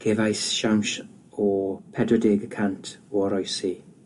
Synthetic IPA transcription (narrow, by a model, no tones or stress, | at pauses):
ɡ̥ʰevajsʃawnʃ | ɔpʰɛdɔdeːɡəkʰantʰɔɔɾɔjsi